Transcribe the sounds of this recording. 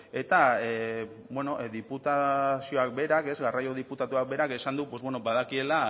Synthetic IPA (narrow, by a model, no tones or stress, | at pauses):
e̞t̪ae | bweno̞ðiput̪asio̞ak̚be̞ɾake̞zɣarajo̞ð̞iput̪at̪uak̚be̞ɾake̞sand̪upo̞zβwe̞no̞baðakie̞la